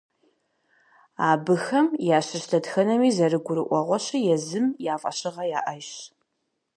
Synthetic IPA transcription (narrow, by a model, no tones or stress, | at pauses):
aːbɨxɐmjaːɕɪɕtʰɐdxɐnɐmiːzɐrɨɡʷʊɾɨʔʷɔʁʷɔɕɐjɛzɨmjaːfʼɐ̰ɕɪʁɐjaːʔɐj